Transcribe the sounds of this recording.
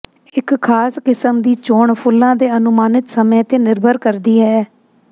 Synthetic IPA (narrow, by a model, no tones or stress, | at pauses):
ɪkkʰːaːskɪsəmd̪iːt͡ʃoːɳpʰʊlːãːd̪eːənʊmaːnɪt̪səmẽːt̪eːnɪɾbʱəɾkəɾd̪iːɦɛː